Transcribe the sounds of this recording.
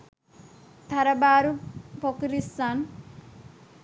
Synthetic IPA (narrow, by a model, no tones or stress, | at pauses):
t̪ʰaɾabaːɾupɔkɾistan